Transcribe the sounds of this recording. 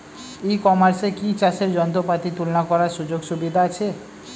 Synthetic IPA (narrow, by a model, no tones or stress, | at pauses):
ekɔmaɾsekit͡ɕaʃeɾd͡ʑɔnt̪̬opat̪it̪ulnakɔɾaɾʃud͡ʑoɡʃubid̪ʱaat͡ɕʰe